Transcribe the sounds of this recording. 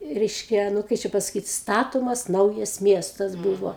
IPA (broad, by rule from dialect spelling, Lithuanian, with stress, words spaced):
ˈrʲɛɪʃʲkʲɛ ˈnʊ ˈkɐɪ t͡ʃʲɛ pɐsɐˈkʲiːt ˈstɑːtoːmɐs ˈnɐʊjɛs ˈmʲiɛstɐs ˈbuːʋoː